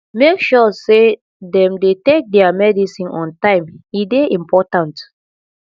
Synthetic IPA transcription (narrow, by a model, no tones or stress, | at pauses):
mekʃɔse | dɛ̃mdetek̚dɛamɛdisĩnʔɔ̃ntãɪ̃mideʔĩmpɔtãnt